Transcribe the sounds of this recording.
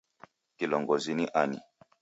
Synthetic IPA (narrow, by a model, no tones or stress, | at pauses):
kilɔŋɡɔziniʔanḭ